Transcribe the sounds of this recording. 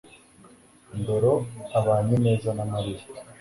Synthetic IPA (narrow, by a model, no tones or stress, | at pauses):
ndoɾoaβaːɲine̞ːzanamaɾiɾi